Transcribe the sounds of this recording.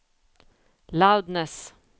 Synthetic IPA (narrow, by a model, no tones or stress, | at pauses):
laʊd̪nəs